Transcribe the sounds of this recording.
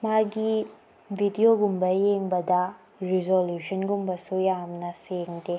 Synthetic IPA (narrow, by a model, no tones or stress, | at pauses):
maɡi | bʱidijoɡumbɐjeŋbɐdɐ | ɾizoljuʃɐnɡumbɐsujamnɐseŋde